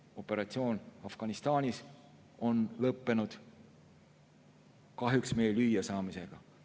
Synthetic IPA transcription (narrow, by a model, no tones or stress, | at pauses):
o̞pːˑe̞ɾɑt̪sio̞ːnɑfɡ̥ɑnist̪ɑːnʲis | o̞nlɤpːe̞nud̪̥ | kɑɦjuksme̞jelyjːɑsɑːmise̞ɡ̥ɑ